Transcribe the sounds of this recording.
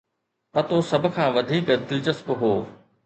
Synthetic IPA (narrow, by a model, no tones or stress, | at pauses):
pɐt̪osɐbʱʊ̆kʰãːʋɐd̪ʱiːkəd̪ɪlt͡ɕəspɦoː